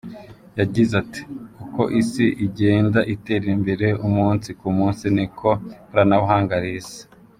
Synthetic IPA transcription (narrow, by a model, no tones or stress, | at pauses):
jaɟizati̥kuko̞ʔisiʔiɟe̞ːndaʔite̞ːɾimbe̞ɾe̞umuːnsikumuːnsinikʰoɾanaβuɦaːŋɡaɾize̥